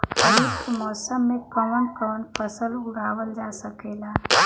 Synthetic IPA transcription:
ɾit̪mɔːsəmːẽkəʋənkəʋənpəsəlʊɽaːʋəld͡ʒaːsəkeːlaː

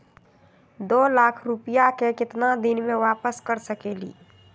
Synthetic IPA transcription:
d̪oːlaːkʰɾʊpijakekɪt̪nad̪ɪnmẽʋaːpəskəɾsəkeːlḭː

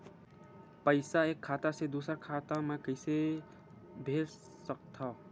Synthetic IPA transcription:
pəɪsaekʰːat̪ased̪usəɾkʰat̪amẽkəɪse | bʱeɾ | sək̚t̪ʰʌ

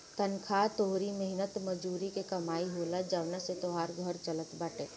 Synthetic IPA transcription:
t̪ɐnkʰaːt̪oɦɾimɛɦnət̪mɐd͡ʒuːɾikekɐmaːiɦoːlad͡ʒaʋnaset̪oɦaːɾɡʱəɾt͡ʃələt̪baːʈeː

